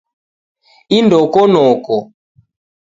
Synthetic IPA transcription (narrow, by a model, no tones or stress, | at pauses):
indɔkɔnɔkɔ